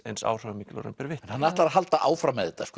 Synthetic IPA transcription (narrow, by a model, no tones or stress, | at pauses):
ejnsa̰ːwr̥œːamiklɔ̰ɾʏ̰mpɛɾvɪhɛnhanːaht̪laɾaðɦalt̪aʔaːwfɾamɛðɪt̪ask